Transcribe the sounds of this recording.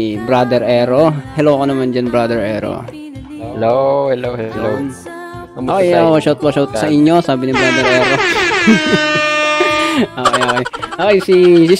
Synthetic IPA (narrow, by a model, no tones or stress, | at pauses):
bɾad̪ɛɹʔɛɾohɛloːkonɐmand͡ʒɐnbɹad̪ɛɹʔɛ̰ɾo̰ | ɛlohɛlowhɛo | oːkojokɐʃɐwt̪̚wɐʃɐwt̪̚sɐʔɪɲjo̞saːbɪnɪbɾaːd̪ɛɾʔɛːɾo | ʔoːkojʔoːkojʔoːkojsisɪ